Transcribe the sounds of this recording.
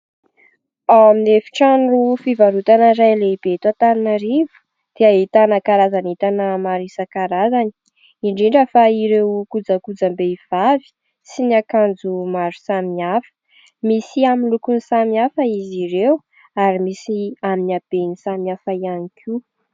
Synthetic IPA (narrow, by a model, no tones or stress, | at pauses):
aminefi̥ʈ͡ʂaɳɖ͡ʐufivaɾut̪anəɾajleib̥et̪wat̪aɾinaɾivu̥ | d̪̥eait̪anakaɾazanit̪anəmaɾisakaɾazani̥ | iɳɖ͡ʐiɳɖ͡ʐəfaiɾewkud͡zakud͡zambeiv̥avi̥ | sinakand͡zumaɾu̥samiafə̥ | misiamilukunisamiafəiziɾew | aɾimisiaminab̥enisamiafaianikʰi